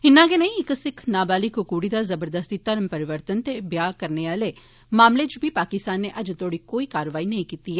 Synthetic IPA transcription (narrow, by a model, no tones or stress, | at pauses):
ɦɪnːãɡenɐĩɪksɪkʰnaːbaːlɪkʊkuːɽid̪azɐbəɾd̪əst̪it̪ɐɾmpɐɾɪʋəɾt̪ənt̪ebjaːkɐɾneʋaːle | maːmlet͡ʃubʱipaːkɪst̪aːnːeʔɐd͡ʒt̪ʰoːɽikoːikaːɾəʋaːinɐɦĩkiːt̪iɦɛː